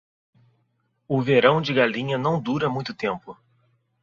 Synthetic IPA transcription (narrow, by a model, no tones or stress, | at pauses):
ʊveɾɐ̃w̃d͡ʒɪɡalĩɲɐnɐ̃w̃d̪uɾɐmũj̃t̪ʊt̪ẽmpʊ